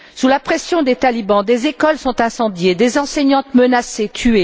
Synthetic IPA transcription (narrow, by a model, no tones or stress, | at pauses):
sulapχɛsjɔ̃d̪et̪alibɑ̃d̪ezekɔlsɔ̃t̪ɛ̃sɑ̃d̪jed̪ezɑ̃sɛɲɑ̃t̪mənaset̪ʰye